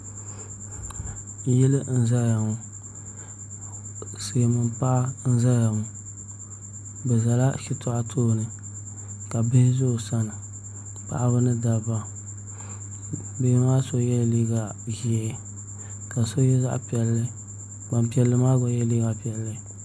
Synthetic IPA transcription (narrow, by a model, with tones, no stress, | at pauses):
jɛ˦lɨ˦n̩˦za˦ɾa˨ŋʊ˨ | sɨ˨mɨ˨npa˦ʔa˦n̩˦za˦ɾa˨ŋʊ˨ | bɛ˨za˨la˦ʃi˦tʰʊ˦ʔa˦tʰoː˦˨nɨ˨ | ka˨bɪ˦hɪ˦zʊ˦˨sa˦nɨ˨ | pa̰˨ʔa˦bɨ˦nɨ˦da˨ba˦ | be˦maː˦so˦jɛ˦˨liː˦ɡa˨ʒi˦˨ | ka˨so˦jɛ˦za̰˦ʔpi˨ɛ˨lːɨ˦ | ba˨m˨pi˦ɛ˨lːɨ˦maː˦ɡɔ˨jɛ˦li˦ɡa˨pɛ˨lːɨ˦